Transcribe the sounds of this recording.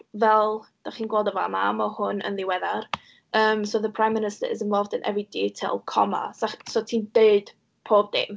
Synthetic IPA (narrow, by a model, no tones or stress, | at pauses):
vɛlˠd̥aχiːnɡwoːlˠdɔva̰ma̰mɔhʊnə̰nðɪwɛðar | əːmsoːðəpʰr̥ajmːɪnɪstə̰ɪ̰zɪnvɔlˠvdənʔɛ̰vridiːtʰḛlˠkʰɔ̰ma̰saχsotʰiːnd̥eɨd̥ | pʰoːb̚dḛm